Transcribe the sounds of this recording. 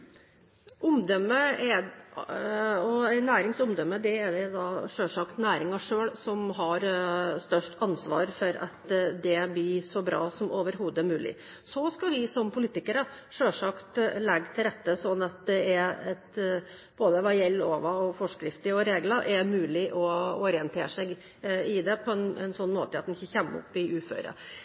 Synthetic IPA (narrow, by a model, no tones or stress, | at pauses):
ʔʊmd̪ɔmːəæ | ɔnæːɾɪŋsʊmd̪ɔmːəd̪ɛæd̪ɛd̪ɑʂøːʂɑkt̪næːɾɪŋɑʂøːɭsɔmɦɑɾst̪œʂʈʰɑnsʋɑ̰ːɾfɔɾɑ̰t̪d̪ɛblɪsɔbɾɑ̰ːsɔmʔoːʋəɾɦuːd̪æɾmʉːlɪ̰ | sɔskɑʋɪsɔmpʰʊliːt̪ɪkəɾəʂøːʂɑkt̪lɛɡːt̪ʰɪlɾɛt̪ːəsɔnːɑt̪̚d̪ɛæɾɛt̪ | b̥oːd̪əʋɑjɛlːoːʋɑɔfɔʂkɾɪft̪ɪɔɾeːɡlɑʔæɾmʉːlɪʔɔɔɾɪənt̪ʰeːʂɛɡ | ɪd̪ɛpʰɔɛnɛ̰nsɔnːmo̰ːt̪əɑt̪d̪ɛnɪçːəçɛmːɔ̰pːɪʉːfø̰ːɾə̰